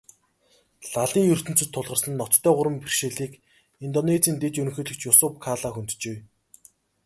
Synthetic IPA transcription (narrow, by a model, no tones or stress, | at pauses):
ɮaɮiːŋjɵr̥t̪ɵ̆n̥t͡sɵ̆t̪ʰːʊɮʁə̆rsə̆nːɔt͡st̪ʰːœːʁʊɾə̆mpirʃeːɮiːk | int̪ɔnet͡siːnt̪et͡ɕɵɾɵ̆ŋxɵːɮɵ̆kt͡ɕjʊsʊːp̚kʰaːɮaːxunt̪t͡ɕeː